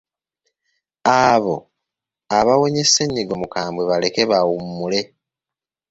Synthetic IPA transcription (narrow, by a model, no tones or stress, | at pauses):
aβo̞ | aβawo̞ɲe̞seɲːiɡo̞mukaːmbweβale̞keβawummːule̞